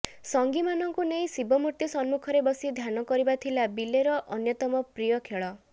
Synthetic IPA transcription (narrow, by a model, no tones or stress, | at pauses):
sɔŋɡimanɔŋkuneĩsibɔmuɾt̪isɔnmukʰɔɾebɔsid̪ʱjanɔkɔɾibat̪ʰilabileɾɔʔɔnjɔt̪ɔmɔpɾijɔkʰeɭɔ